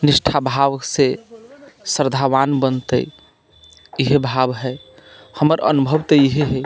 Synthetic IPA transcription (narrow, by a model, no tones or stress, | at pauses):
nisʈʰabʱaʋəkse | səɾd̪ʱaʋanbənt̪ə̰ | iɦebʱabɦɛ | həməɾə̰nubʱəbt̪əiɦeɦɛ